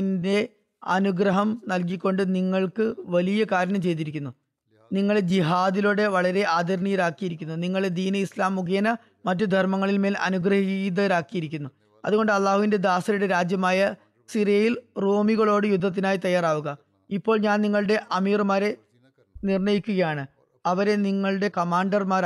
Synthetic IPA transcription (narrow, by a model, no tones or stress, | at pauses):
nde̞ | ɐnuɡɾɐɦɐmnɐlk̬ikʲːo̞ɳɖɨniŋːɐɭkɨʋɐlijɐkaːɾɐnɐmt͡ɕe̞jt̪̬iɾikʲːunːu | niŋːɐɭed͡ʑiɦaːd̪iloːɽe̞ʋɐɭɐɾe̞ʔaːd̪ʱɐɾɐɳijɐɾaːkːijiɾikʲːunːuniŋːɐɭed̪iːnɐislaːmːuɡeːnɐ | mɐtːɨd̪ʱɐrmɐŋːɐɭilme̞ːlɐ̰nuɡrɐɦid̪ɐɐɾaːkːijiɾikʲːunːu | ɐ̰ðuɣo̞ɳɖɨɐlːaːhuʋinde̞d̪aːsɐɾuɽe̞ɾaːd͡ʑjɐmaːjɐ | sirijɐjilro̞ːmiɣɐɭo̞ːɽɨjud̪ʱːɐt̪̬ːinaːjit̪ɐjːaːraːʋuɣɐ | ipːo̞ːɭɲaːnniŋːɐɭɨɽe̞ʔɐmiːrmaːɾe̞ | nirɳɐjikʲːuɣɐjaːɳɨ | ɐʋɐɾe̞niŋːɐɭɽe̞kɐmaːɳɖɐrmaːɾ